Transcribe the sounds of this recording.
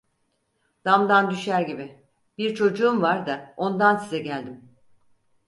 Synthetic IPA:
d̪̥amd̪and̪yʃæɾɟibɪ | biɾt͡ʃʰo̞d͡ʒuːumvaɾd̪ao̞nd̪ansizɛɟælʲd̪im

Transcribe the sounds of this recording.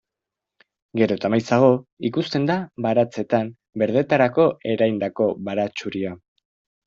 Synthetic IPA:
ɡe̞ɾo̞t̪amajsaɣ̞o̞ikust̪e̞nd̪aβaɾat͡se̞t̪am | be̞ɾð̞e̞t̪aɾako̞ʔe̞ɾajnd̪ako̞βaɾat͡ʃuɾia

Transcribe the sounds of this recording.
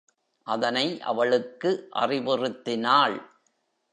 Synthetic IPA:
ʔɐðɐnɐɪʔɐ̰ʋɐɭɯkːɯʔɐ̰rɪʋɪrɯt̪ːɪnaːɭ

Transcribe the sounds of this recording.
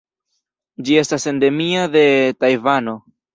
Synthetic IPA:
d͡ʒie̞stase̞nde̞miaðe̞tajvano̞

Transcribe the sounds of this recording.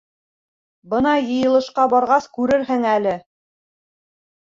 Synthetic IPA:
bɤnɑjɤ̆jɤ̆lˠɤ̆ʃqɑbɑɾʁɑskʉɾɘɾɦɘŋælɘ

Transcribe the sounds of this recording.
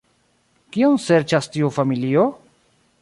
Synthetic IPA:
kionseɾt͡ʃastiufamilio

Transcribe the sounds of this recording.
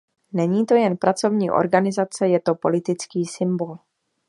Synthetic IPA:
nɛɲiːt̪o̞jɛnpɾat͡so̞vɲiːʔo̞̰ɾɡanɪzat͡sɛjɛt̪o̞po̞lɪt̪ɪt͡skiːsɪmbo̞l

